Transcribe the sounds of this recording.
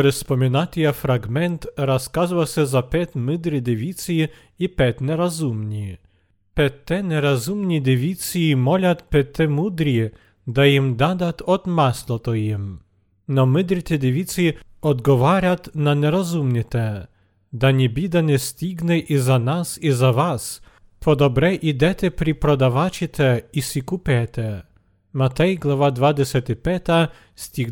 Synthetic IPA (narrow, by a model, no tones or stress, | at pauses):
ɔɾɛsspɔmʲinat̪ʲijafɾaɡmɛnt̪ɾaskazvasʲɛzapɛt̪ʲmɪd̪ɾid̪ʲɪʋʲisiji | ipɛt̪ʲnɛɾazumnʲi | pɛt̪ːɛnɛɾazumnʲid̪ʲɪʋʲit̪t͡ssijimɔlʲat̪pɛt̪ːɛmud̪ɾʲi | d̪ajimd̪ad̪at̪ɔt̪maslˠɔt̪ɔjim | nɔmɨd̪ɾʲit̪ʲɛd̪ʲɛvʲit̪siɔd̪ɡɔvaɾʲat̪nanʲɛɾɔzumɲʲɛt̪ʲɛ | d̪aɲʲɛbʲid̪anʲɛst̪ʲiɡnɛʔizanasizavas | pʰɔd̪ɔbɾɛʔid̪ʲɛt̪ʲɛpɾʲipɾɔd̪avat͡ɕit̪ʰɛisʲikupʲɛt̪ɛ | mat̪ɛjɡlˠɔvad̪vad̪ɛsʲɛt̪ɨpʲɛt̪a | st̪ʲiɡ